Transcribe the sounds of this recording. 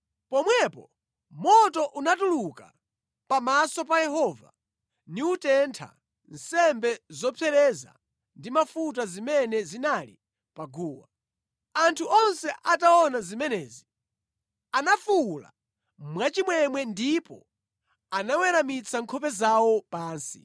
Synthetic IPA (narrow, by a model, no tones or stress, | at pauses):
pɔmwɛpɔ | mɔtɔʔunatuluka̰ | pamasɔpajɛɦɔva̰ | niutɛntʰa̰ | n̩sɛmbɛzɔpʰɛɾɛza̰ | ndimafut̬azimɛnɛzinalḭ | paɡuːwa | antʰuʔɔnsɛʔataɔnazimɛnɛːzi | anafula̰ | mwat͡ʃimwɛmwɛndipɔ̰ | anawɛɾamit͡sʰaŋkʰɔpɛzawɔpaːnsi